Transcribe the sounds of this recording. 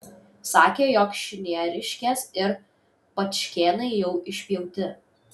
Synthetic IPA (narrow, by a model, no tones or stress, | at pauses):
sɑːkʲeːjoːkʃʲɪnʲiɛɾʲɪʃʲkʲeːsɪɾ | pɐt̪ʃʲkʲeːnɐɪjɛʊʔɪʃʲpʲjɛʊt̪ʲɪ